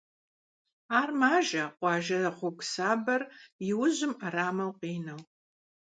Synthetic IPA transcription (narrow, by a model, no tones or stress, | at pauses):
aːrmaːʒɐqʷɑːʒɐɐχʷʊkʷsaːbɐrjɪwʊʑɪmɐɾaːmɐwqiːnɐw